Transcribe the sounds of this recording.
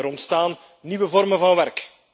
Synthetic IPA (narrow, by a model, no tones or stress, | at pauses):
əɾɔntstaːnː | iʋəvɔrmənvɑnʋɛrk